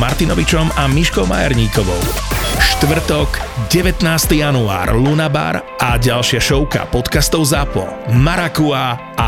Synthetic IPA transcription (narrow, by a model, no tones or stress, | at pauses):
maɾt̪inɔʋit͡ʃɔmamiʃkɔʊma̰ja̰ɾɲiːkɔʋɔ̰ʊʃt̪ʋr̩t̪ɔɡɟɛʋɛt̪naːst̪ijanua̰ːɾlunaba̰ɾʔaɟalʃɪaʃɔʊka̰pɔt̪kast̪ɔʊzapɔ̰maɾakua | a